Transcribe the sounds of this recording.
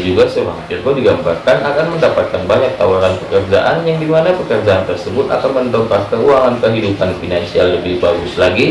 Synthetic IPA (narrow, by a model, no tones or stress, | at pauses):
d͡ʒuɡasəbaŋpɪrt̪odiɡambarkanakanməndapat̪̚kanbaɲak̚t̪awaɾanpəkərd͡ʒaʔanjaŋdimanapəkərd͡ʒaːnt̪ərsəbʊt̪a̰kanmənd̪ɔŋkahkəuaŋankəɦidupanfinansialːəbɪhbaɡuslaɡi